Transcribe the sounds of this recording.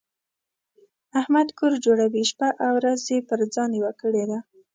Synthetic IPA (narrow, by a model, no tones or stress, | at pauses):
ahmad̪kʊɾd͡ʒoɽawiʃpaʔawɾazepəɾd͡zɑniwakəɽed̪a